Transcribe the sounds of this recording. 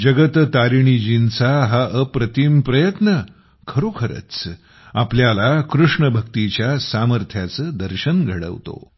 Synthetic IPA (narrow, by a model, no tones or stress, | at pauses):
d͡ʑəɡət̪t̪aɾiɳ̃id͡ʑint͡saɦaəpɾət̪ʰimpɾəjət̪nə | kʰəɾokʰəɾə̰t͡s | apljalakɾuʂɳəbʱəkt̪it͡ɕjasaməɾt̪ʰjat͡səːd̪əɾɕənɡʱəɽə̰ʋt̪o̰